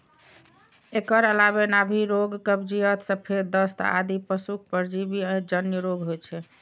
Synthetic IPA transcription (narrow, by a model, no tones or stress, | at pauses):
ekəɾəlabenabʱiɾoɡkəbd͡ʒijət̪səpʰeɾd̪əst̪a̰d̪ipəsuk̚ʰpəɾd͡ʒibiəd͡ʒənjəɾoɡɦot͡ʃʰɛ